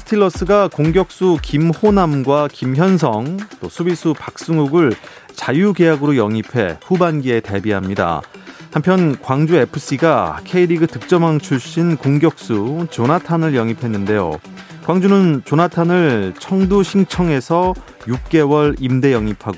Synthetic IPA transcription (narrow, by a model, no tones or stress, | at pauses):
sʰɯ̥tʰiɭːʌs͈ɯɡakoŋɡjʌk̚s͈ukimhonamɡwakimçjʌnsʰʌŋt͈osʰubisʰupak̚s͈uŋuɡɯɭ | t͡ɕajuɡe̞jaɡɯɾojʌŋipʰe̞ɸubanɡie̞te̞biɦamɲida̰hampʰjʌnkwaŋd͡ʑue̞pʰɯs͈iɡakʰeiɾiɡɯtɯk̚t͡ɕ͈ʌmaŋt͡ɕʰuɭɕ͈inkoŋɡjʌk̚s͈ut͡ɕonatʰanɯɭjʌŋipʰe̞nːɯnde̞jo̰ | kwaŋd͡ʑunɯnt͡ɕonatʰanɯɭt͡ɕʰʌŋduɕʰiŋt͡ɕʰʌŋe̞sʰʌ | juk̚k͈e̞wʌɾimde̞jʌŋipʰaɡo